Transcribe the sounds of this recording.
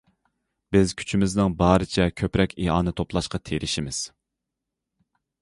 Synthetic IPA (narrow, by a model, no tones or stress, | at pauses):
b̥ɪzkʲʰy̥t͡ʃʰimɪznɪŋbɑːɾɨt͡ʃʰɛkʲʰøpɾɛkʲʰiɦɑ̰ːnɨt̪ʰoplˠɑʃqɑt̪ʰeɾʔɪʃimɪz̥